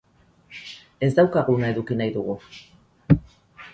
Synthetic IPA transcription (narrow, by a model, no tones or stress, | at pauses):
e̞zd̪awkaɣunae̞ðukinajðuɣ̞u